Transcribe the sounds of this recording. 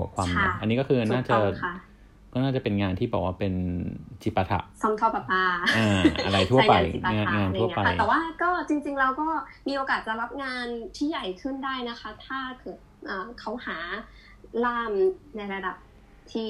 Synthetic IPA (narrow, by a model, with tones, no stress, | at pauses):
u˨˩˦əkʰwaː˧mʰa˥˧˩a̰˧nːiː˦˥kɔː˥˩kʰɯː˧naː˥˩t͡ɕa˧˩kʰa˥˩ | kɔː˥˩naː˥˩t͡ɕa˨˩pe˧nŋaː˧nt̪ʰiː˥˩ɔː˨˩k̚waː˥˩pe˧nt͡ɕi˨˩pːa˧t̪ʰa̰˨˩ʔsʰɔ˧mt̪ʰɔ˧˩pa˧˩paː˧ʔaː˧ʔa̰˧ɾa˧jt̪ʰu˥˩ɐ˧pa˧ji˨˩pːa˧a˧a˨˩ŋaː˧ntːʰu˥˩ɐ˧˦˥a˧k̪ʰːwaː˥˩kɔː˥˩t͡ɕi˧ŋt͡ɕi˧ŋɾa˧wkɔː˥˩miː˧ʔoː˧kaː˨˩t̪̚a˧ɾa˦˥p̚ŋaː˧nt̪ʰiː˥˩ja˨˩jkʰɯ˥˩ndaː˥˩jna˦˥kʰa˦˥t̪ʰaː˥˩kʰɤː˨˩t̚ʔəː˨˩kʰa˦˥whaː˩˦ | laː˥˩mna˧jɾa˧da˨˩p̚ | t̪ʰiː˥˩